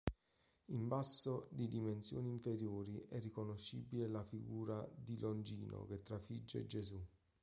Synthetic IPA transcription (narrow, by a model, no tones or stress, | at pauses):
imbasːod̪id̪imensjoːniːɱfeɾjoːɾiʔɛrːikonoʃːibilelafiɡuːɾad̪ilʔond͡ʒḭːno̰ket̪ːɾafid͡ʒːḛd͡ʒezu